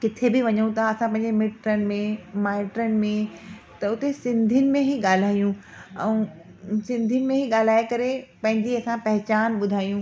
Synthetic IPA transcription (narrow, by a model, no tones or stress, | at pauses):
kɪt̪ʰebɪʋɐɲũt̪ʰaɐsãp̬ɐ̃ɦɪ̃ɲd͡ʑemɪʈɾənɪ̆mẽmaːɪʈɾənɪ̆mẽt̪ɐʊt̪esɪ̃nd̪ʱijʊnɪ̆mẽɦiɠaːl̤aːijũ | ɛ̃ | sɪ̃nd̪ʱijʊnɪ̆mẽɦiɠaːl̤aːekɐɾepɐ̃ɦɪ̃ɲd͡ʑiɐsãpɐɦt͡ɕaːnɓʊd̪ʱaːjũː